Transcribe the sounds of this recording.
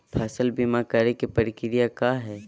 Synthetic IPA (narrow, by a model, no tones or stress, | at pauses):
pʰɛːsəlbimakɐɾekepəɾɪkɪɾijakaːɦɛː